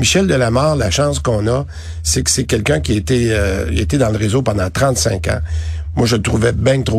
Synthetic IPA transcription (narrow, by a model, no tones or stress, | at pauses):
miʃɛld̪əlamɑːʁlaʃɑ̃skɔ̃ːnʌ | sekə̥sɛkʲɛlkʲœ̃kʲiaet̪ɛəjet̪ɛd̪ɑ̃ləʁezopɑ̃d̪ɑ̃t̪ʁɑ̃t̪sɛ̰̃kɑ̰̃ | mwaʒəlt̪ʁuvɛbɛ̃t̪ʁo